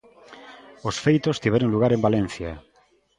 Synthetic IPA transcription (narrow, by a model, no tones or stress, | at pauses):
osfejt̪ost̪iβ̞eɾoŋluɣ̞aɾembalẽn̟θja